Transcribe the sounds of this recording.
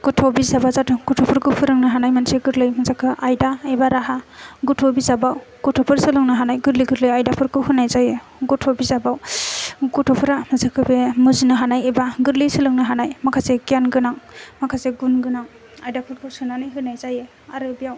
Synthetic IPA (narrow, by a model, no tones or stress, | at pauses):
ɡ̥utʰobizabazatʰɯɡutʰopʰɯɾkʰɯpʰɯɾɯŋnaɦanajmanseɡɯɾlɯjmɯzakʰɯʔajdaebaɾaɦaɡutʰobizabaw | ɡ̥utʰopʰɯɾsɯlɯŋnaɦanajɡɯɾliɡɯɾlɯjajdapʰɯɾkʰɯwɦɯnajzajɯ | ɡutʰobizabaw | ɡutʰopʰɯɾamɯzakʰɯbemɯzinɯɦanajebaɡɯɾlisɯlɯŋnɯɦanajmakʰaseɡijanɡɯnaŋmakʰaseɡunɡɯnaŋ | ajdapʰɯɾkʰɯwsɯnanɯjɦɯnajzajɯ | aɾɯbijaw